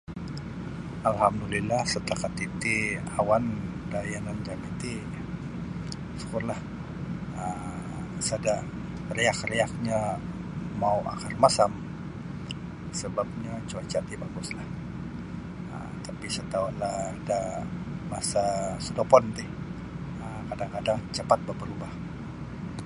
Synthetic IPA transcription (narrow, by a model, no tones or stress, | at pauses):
alɦamdulilahsət̪əlakat̪it̪iawan | dajanand͡ʒamat̪i | su̥kʊrlah | ə | sada | reakrejak̚ɲa | mauʔa̰karmasam | səbap̚ɲat͡ʃuat͡ʃat̪ibaɡʊslah | ə̰mt̪apisət̪aulahdamasasəd̪opɔnt̪ɪh | əkadaŋkadaŋt͡ʃəpat̪̚bəbəɾubah